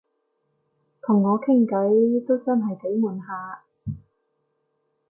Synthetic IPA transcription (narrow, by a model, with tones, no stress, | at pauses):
t̪ʰʊ˨˩ŋːɔː˨˧kʰɪ˥ŋkɐ˨˥jt̪o˥wt͡sɐ˥nɦɐ˨jt̪e˨˥jmuː˨˩nɦaː˧